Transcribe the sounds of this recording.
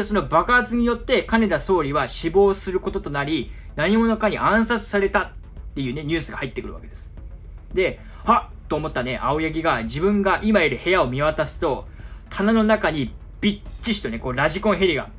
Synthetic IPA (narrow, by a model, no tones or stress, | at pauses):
so̞no̞bakaːt͡sɨɲ̟ijo̞t̪ːe̞kane̞d̪aso̞ːɾʲiβaɕibo̞ːsɨɾɯ̟ko̞t̪o̞t̪o̞naɾʲinaɲ̟imo̞no̞kaɲ̟iʔãɰ̃sat͡sɨ̥saɾe̞t̪at̪ː | e̞jɯ̟ːne̞ɲ̟ɨ̟ːsɨɡahait̪ːekɯ̟ɾɯ̟βa̰ke̞d̪̥e̞sɨ̥ | d̪e̞ | ha | t̪ːo̞ːmo̞t̪ːane̞ʔaojaɡʲiɡad͡ʑibɯ̟̃ŋɡaʔimaiɾɯ̟he̞ao̞mʲiβat̪asɨ̥t̪o̞t̪ʰanano̞nakaɲ̟i | b̥ʲit͡ɕːiɕi̥t̪o̞ne̞ko̞ːɾaʑikõ̞ɰ̃ɦe̞ɾʲiɡa̰